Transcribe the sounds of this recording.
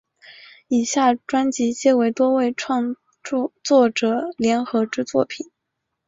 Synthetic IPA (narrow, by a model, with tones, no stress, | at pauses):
i˨˩ɕja˥˩ʈ͡ʂwa˥nt͡ɕi˧˥t͡ɕjɛ˥we˧˥ɪt̪wɔ˥we˥˧ɪʈ͡ʂʰwɑ˥˧ŋ˧ | t͡swɔ˥˩ʈ͡ʂɤ˨˩˦ljɛ˧˥nxɤ˧˥ʈ͡ʂɻ̩˥t͡swɔ˥˩pʰi˨˩˦